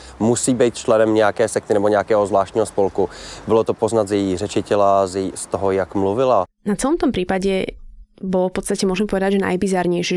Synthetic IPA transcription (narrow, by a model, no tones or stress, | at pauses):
musiːbɛjt̪̚t͡ʃlɛnɛmɲɛjakɛːsɛk̚t̪ɪnɛbɔɲɛakɛːɦɔzvlaːʃtɲiːɦɔspɔlkubɪlɔt̪opoznat̪zɪrɛt͡ʃɪt̪ɛlazɪst̪ɔɦɔjakmluvɪlanat͡sɛlɔmt̪ɔmpɾiːpaɟɛ | bɔlɔfpɔt̪st̪acɛmʊɔʒɛmɛpɔʋɛd̪aɟʒɛna̰jbizaɾɲɛjʃɛ